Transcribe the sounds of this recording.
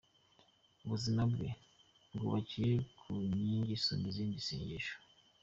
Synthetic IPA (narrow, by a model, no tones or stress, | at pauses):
uβuzimabɡḛ | bɡuβacijekʰuɲiːɲɟisumbiziːndisḭːɲɟiʃo̥